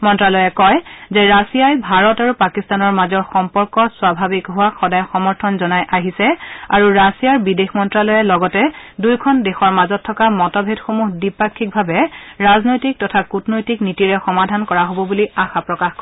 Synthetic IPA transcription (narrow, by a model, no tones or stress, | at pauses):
mɔntɹalɔjɛkɔjzɛɹasijajbʱaɹɔtaɹupakistanɔɹmazɔɹxɔmpɔɹkɔswabʱabikɦʊwaxɔdajxɔmɔɹtʰɔnzɔnajʔaɦisɛaɹuɹasijaɹbidexmɔntɹalɔjɛlɔɡɔtɛdujkʰɔndexɔɹmazɔtʰːɔkamɔtɔbʱedxomuɦdipakʰːik̚bʱabɛɹaznojtik̚tɔtʰakutnojtiknitiɹɛxɔmadʱankɔɹaɦobɔbuliaxapɹɔkaxkɔ